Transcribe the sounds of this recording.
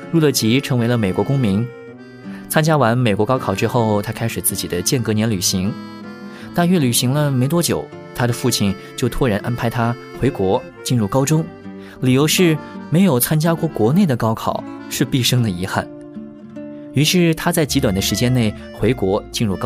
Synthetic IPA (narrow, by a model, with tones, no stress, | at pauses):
ɻu˥˩lə˥˩t͡ɕi˧˥ʈ͡ʂʰɤ˧˥ŋwe˧˥lə˧me˨˩ɪkwɔ˧˥kʊ˥ŋmi˧˥ŋ | t͡sʰa˥nt͡ɕja˥wa˧˥nme˨˩ɪkwɔ˧˥kɑ˥kʰɑ˨˩ʊʈ͡ʂɻ̩˥xo˥˩ʊt̪ʰa˥kʰa˥ɪʂɻ̩˨˩t͡sɹ̩˥˩t͡ɕi˨˩d̪ə˦t͡ɕjɛ˥˩nkɤ˧˥njɛ˧˥nly˨˩ɕi˧˥ŋ | t̪a˥˧nɥɛ˥˩ly˨˩ɕi˧˥ŋlə˧me˧˥ɪt̪wɔ˥t͡ɕjo̰˨˩˦ʊ | t̪ʰa˥d̪ə˨fu˥˩t͡ɕʰi˥˩n | t͡ɕjo˥˩ʊt̪ʰwɔ˥ɻa˧˥nʔa˥npʰa˧˥ɪt̪ʰa˥ | xwe˧˥ɪkwɔ˧˥ | t͡ɕi˥˧nɻu˥˩kɑ˥ʊʈ͡ʂʊ˥ŋ | li˨˩jo˧˥ʊʂɻ̩˥˩me˧˥ɪjo˨˩ʊt͡sʰa˥nt͡ɕja˥kwɔ˥˩kwɔ˧˥ne˥˩ɪd̪ə˩kɑ˥ʊkʰɑ̰˨˩ʊʂɻ̩˥˧pi˥˩ʂɤ˥ŋd̪ə˨i˧˥xa̰˥˩n | y˧˥ʂɻ̩˥˩t̪ʰa˥t͡sa˥˩ɪt͡ɕi˧˥t̪wa˨˩nd̪ə˦ʂɻ̩˧˥t͡ɕjɛ˥nne˥˩ɪ | xwe˧˥ɪkwɔ˧˥t͡ɕi˥˧nɻu˥˩kɑ˥